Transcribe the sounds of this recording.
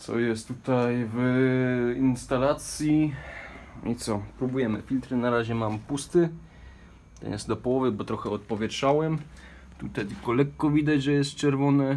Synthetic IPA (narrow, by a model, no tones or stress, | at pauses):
t̪sɔ̰jɛst̪ːut̪ajv | inst̪alat̪sʲji | it̪sɔpɾubujɛmɘ̰fʲilt̪ɾɘnaɾaʑɛmampust̪ɘ | t̪ɛ̰njɛsd̪ɔpɔwɔvɘbɔt̪ɾɔxɛɔt̪pɔvʲjɛtʂawɛm | t̪ut̪ajt̪ɘlkɔlɛkːɔvʲid̪ad͡ʑʐɛjɛst̪̚t͡ʂɛɾvɔnɛ